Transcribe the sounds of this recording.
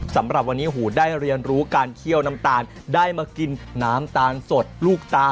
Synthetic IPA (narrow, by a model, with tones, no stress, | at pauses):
sa˩˦mɾa˨˩p̚wa˧nːiː˦˥ɦuː˩daː˥˩jɾi˧ənɾuː˦˥kaː˧nkʰi˥˩əwna˦˥mt̪aː˧n | daː˥˩jmaː˧ki˧nːaː˦˥mt̪aː˧nso˨˩t̪̚luː˥˩k̚t̪aː˦˥